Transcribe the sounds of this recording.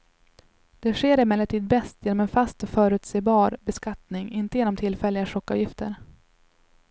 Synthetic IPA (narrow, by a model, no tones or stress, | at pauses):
d̪̥ɛɧeːɾɪmɛlːəʈ̪ʰiːd̪̚bɛst̪jeːnɔmɛnfast̪ɔfœːɾʉ̟ːt̪seːbɑːɾbɛskat̪nɪŋɪnt̪əjeːnɔmt̪ʰɪlfɛlːɪɡaʂɔkːɑ̰vjɪft̪əɾ